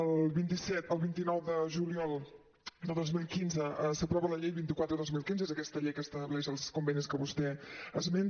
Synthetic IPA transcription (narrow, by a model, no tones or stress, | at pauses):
əlˠβint̪isɛt̪əlˠβint̪inɔwðəʒuliɔlˠ | d̪əðozmilˠkinzəsəpɾɔβələʎejβint̪ikwat̪ɾəðozmilˠkinzəezəkɛst̪əʎejkəst̪əβlɛʒəlˠskumbɛniskəβust̪ɛəzmen